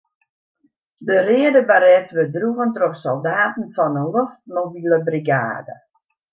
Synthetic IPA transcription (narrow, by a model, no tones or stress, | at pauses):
dərɪədəbaɾɛftʋədruɣəntroksolˠdaːtn̩fɔnəloft̚mobiləbriɡa̰ːdə̰